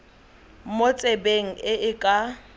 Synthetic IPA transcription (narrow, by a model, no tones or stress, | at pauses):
mot͡sʼebeŋ̩ɪʔɪkʼa